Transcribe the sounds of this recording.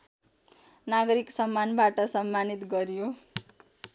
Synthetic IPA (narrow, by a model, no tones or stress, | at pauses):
naɡʌɾiksʌmːanbaʈʌsʌmːanit̪ɡʌɾjo